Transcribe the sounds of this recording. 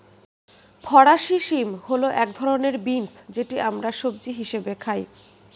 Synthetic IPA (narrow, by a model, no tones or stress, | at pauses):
pʰɔɽaʃiʃimholoʔɛk̚d̪ʱɔɾoneɾbinsd͡ʑeʈiʔamɾaʃob̚d͡ʑiɦiʃebekʰaj